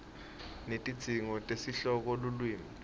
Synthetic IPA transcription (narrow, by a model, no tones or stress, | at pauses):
netʼid̥z̥ʱiŋɔtʼesiɬɔk̬ɔlulwiːmi